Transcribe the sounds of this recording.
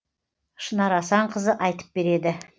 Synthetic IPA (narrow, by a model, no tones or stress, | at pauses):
ʃənɑɾɑsɑɴqʰəzəʔɑjt̪ə̥p̚be̞ɾe̞d̪ɪ